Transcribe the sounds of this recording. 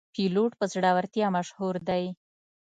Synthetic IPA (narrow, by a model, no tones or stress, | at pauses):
piloʈ̚pəzɽɑwaɾt̪jɑmaʃhuɾd̪aj